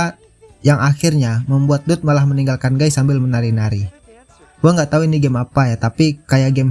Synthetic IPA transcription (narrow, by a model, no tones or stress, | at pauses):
jaŋaxirɲaməmbuat̪̚dʊt̪̚malahməniŋɡalkanɡaisambɪlmənaɾinaɾi | ɡuaŋɡat̪auiniɡɛmapajat̪apikajaɡɛm